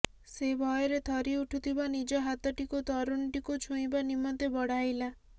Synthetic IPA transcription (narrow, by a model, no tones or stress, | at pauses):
sebʱɔjɔɾet̪ʰɔɾiuʈʰut̪ʰibanid͡ʒɔɦat̪ɔʈikut̪ɔɾunʈikut͡ʃʰũĩbanimɔt̪ebɔɽ̤ajla